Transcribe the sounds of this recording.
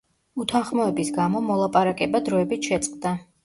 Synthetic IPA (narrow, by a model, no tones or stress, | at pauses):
ut̪ʰanχmɔɛbisɡamɔmɔlˠapʼaɾakʼɛbad̪ɾɔɛbit̪ʃɛt̪sʼqʼd̪a